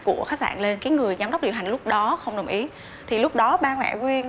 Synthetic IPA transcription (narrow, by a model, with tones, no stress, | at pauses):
ku˧˩əxaː˦˥sa̰ː˧˨nle˧nkaː˨˦jŋɨ˨˩əjzaː˨˦mɗə˦˥k͡p̚ɗi˨˩wɦa˨˩ŋ̟lʊ˦˥k͡p̚ɗɔ˨˦xə˧wŋ͡mɗə˨˩wŋ͡mʔi˨˦ | t̪ʰi˨˩lʊ˦˥k͡p̚ɗɔ˨˦ɓaː˧ŋwa̰˧˨kwi˧ən